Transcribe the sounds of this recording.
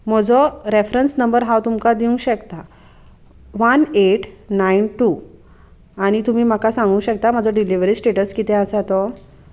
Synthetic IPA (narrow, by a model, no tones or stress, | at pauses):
m̤əd͡zʱɔɾefɾənsnəmbəɾɦawt̪umkad̪iũɕəkt̪a | ʋəneʈnainʈu | aɽ̃it̪um̤iːm̤akasãŋɡũːɕək̚t̪amad͡zʱɔɖiliʋɾiːsʈeʈəskit̪ɛ̃əsat̪ɔ